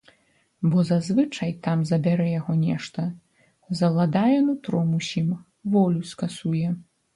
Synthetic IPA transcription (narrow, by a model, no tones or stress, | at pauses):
bɔzazvɨt͡ʂɐjt̪amzɐbʲaɾɛjaɣɔnʲɛʂt̪ɐ | zɐlˠad̪ajɛnut̪ɾɔmusʲim | vɔlʲuskasujɛ